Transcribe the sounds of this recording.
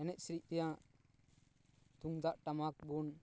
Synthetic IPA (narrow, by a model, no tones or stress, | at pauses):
ɛnɛc̪̚sɾic̚t̪ɛjãʔ | t̪uŋd̪aʔʈamak̚bun